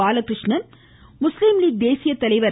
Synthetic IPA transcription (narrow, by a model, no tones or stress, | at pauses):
aːlɐkɾɪʂɳɐn | mʊslɪmliːd̪eːsɪjɐt̪ːɐlɐɪʋɐɾ